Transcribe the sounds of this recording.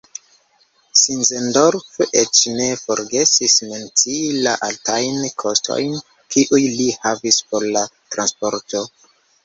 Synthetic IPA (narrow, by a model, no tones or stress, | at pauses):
sinzendo̞ɾfet͡ʃne̞fo̞ɾɡe̞sisment͡sila̰ʔaltʰajnkʰo̞stʰo̞̰jn | kʰiʔujlihavispoɾlatɾanspo̞ɾto̞